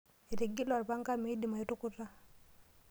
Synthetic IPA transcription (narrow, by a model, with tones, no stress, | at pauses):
e˨ɾi˨ɡi˦la˨ɾpa˦ŋɡa˦mi˦di˨ma˨ji˦tu˦ku˦tːa˦